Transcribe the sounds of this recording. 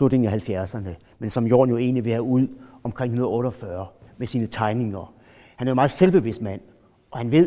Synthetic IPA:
ud̥e̝ŋæhælfjæɐsɐnə | mensɒ̽mjo̝̰ːnjoe̝̰ːnliʋe̝hæuð̞̰ˠɒ̽mkʰʁɛŋ̰hunɐðˠɔːɾəɒfɶːɐmesiːnət͡sʰɑ̈ɪne̝ŋɐ | hænæɐjo̝mɑ̈ːð̩ˠselb̥e̝ʋesd̥mæn̰ | ʔɒ̽hænʋe̝ð̰

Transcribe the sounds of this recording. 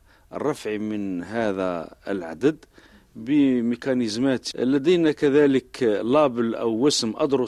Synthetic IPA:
ʔə̰rˤːɑfʕimənɦæðæə̰lʕa̰d̪əd̪ | bəmikænəzmæt̪lːæd̪əjnækæðæləklɑbəlʔæwːəsəmʔɑ̰d̪ɾʊ

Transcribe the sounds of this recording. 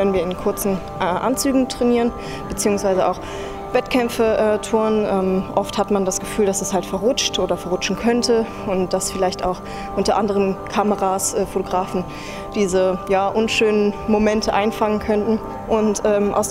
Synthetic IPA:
lənviːɐɪnkʰʊɐt͡sn̩ | ʔɛʔa̰nt͡syːɡŋ̩tʁ̥ɛniːʁən | b̥ət͡siːʊŋsv̥aɪzəʔa̰ʊx | vɛtkʰɛmfəʔɛtʰuɐnʔɛːmʔɔfthatmandasɡ̥əfyːldasɛshaltfɛɐʁʊt͡ʃtʔoːdɐfɛɐʁʊt͡ʃn̩kʰœntʰə | ʊnt̚d̥asfɪlaɪçta̰ʊx | ʔʊntɐʔandəʁ̞əmkʰaməʁaːsʔɛːfotoɡʁaːfn̩ | d̥iːzəjaːʔʊnʃøːnənmomɛntʰəʔaɪnfaŋənkʰœntn̩ | ʔʊntʔɛːmʔa̰ʊs

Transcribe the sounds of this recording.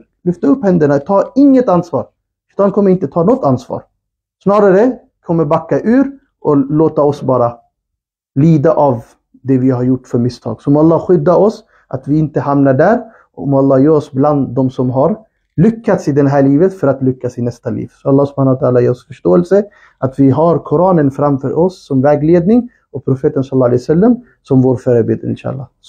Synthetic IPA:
lʏft̪aɵpːhɛnd̪əɳat̪ʰɑːɪŋːət̪ansvɑ̰ːɾ | t̪hankʰɔmːəɾɪnt̪ət̪ʰɑːnɔt̪ːansvɑ̰ːɾ | snɑːɾaɾə | kʰɔmːəɾbakːaʔʉ̟ːɾ | ʔɔloːt̪aɔsbɑːɾa | liːd̪aʔav | d̪ɛvɪɦaɾjʊʈːfœɾmɪst̪ʰɑ̰ːɡsɔmɔalːɑːɧʏd̪ːaɔs | ʔa̰t̪vɪɪnt̪əhamnaɖæɾ | ɔmɔalːɑːjœːɾɔsbland̪ːɔmsɔmɦaɾ | lʏkːat̪sɪd̪ɛnɦæːɭiːvət̪fœɾat̪lʏkːasɪnɛst̪alḭːvsɔalːɑːsʊb̥haːnaʊt̪ʰaːlajeːɾɔsfœʂʈoːɛlsə | at̪vɪɦaɾkʰʊɾɑːnənfɾamfœ̰ɾʔɔsːɔmvɛːɡleːd̪nɪŋ | ɔpʰɾʊfeːt̪ənsalːɑːlɛjasɛlːam | sɔmvoːɾfœːɾəbeːd̪ə̰ɾɪ̰nʃa̰ːa̰lːɑ̰ː

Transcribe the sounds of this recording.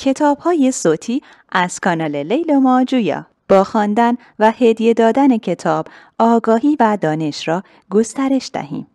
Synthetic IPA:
cʰe̞t̪ʰɒːb̥hɒːje̞soːt̪ʰiː | ʔæz̥kʰɒːnɒːle̞le̞jlomɒːd͡ʒujɒ̰ː | b̥ɒːxɒːnd̪æn | væhed̪ije̞d̪ɒːd̪æne̞cʰe̞t̪ʰɒːb̥ | ɒːɡɒːhiːvæd̪ɒːne̞ʃrɒː | ɡo̞st̪æɾe̞ʃd̪̥æ̰hḭːm

